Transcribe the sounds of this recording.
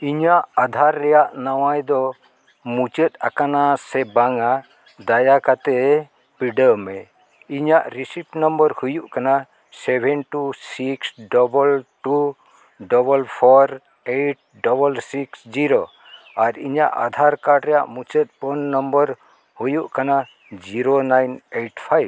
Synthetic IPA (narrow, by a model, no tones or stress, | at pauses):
iɲaʔad̪ʱaɾːɛjaʔnawajd̪ɔ | mut͡ʃət̪̚a̰kanasɛbaŋa | d̪ajakat̪ɛ | piɖəmɛ | iɲaʔɾisipnɔmbəɾhujuʔkana | sɛbʱɛnʈusiksɖɔbəlʈu | ɖɔbəlpʰɔɾ | eʈ̚ɖɔbəlsiksd͡ʒiɾo | aɾiɲaʔa̰d̪ʱaɾkaɾɖɾɛja̰ʔmut͡ʃət̪̚ˀpɔnːɔmbəɾ | hujuʔkana | d͡ʒiɾonajneʈpʰajb